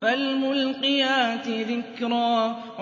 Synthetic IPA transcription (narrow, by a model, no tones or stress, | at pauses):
almʊlqɪjaːt̪ɪðɪkɾaː | ʕ